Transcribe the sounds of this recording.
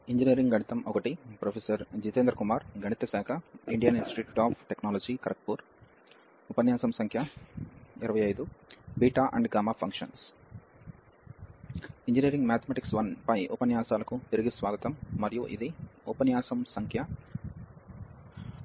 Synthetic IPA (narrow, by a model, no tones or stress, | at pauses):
iɲd͡ʒiniːɾiŋɡɡɐɳit̪ɐmɔkɐʈipɾoːpʰeːsɐɾd͡ʒiːt̪eːnd̪ɾɐkumaːɾɡɐɳit̪ɐsaːkʰɐiɳɖijɐninsʈiʈɾiʈaːpʰʈeknaːlod͡ʒiːkɐɾɐk̚puːɾ | upɐnjaːsɐmsɐŋkʰjɐ | iɾɐʋɐjɐjd̪ubiːʈaːʔɐ̰ɳɖɡaːmaːpʰɐŋkʂɐ̰ns | iɲd͡ʒiniːɾiŋɡmaːt̪ʰɐmɛːʈiksʋɐnpɐjɔpɐnjaːsaːlɐkut̪iɾiɡisʋaːɡɐt̪ɐmːɐɾijuʔḭd̪iɔpɐnjaːsɐmsɐŋkʰjɐ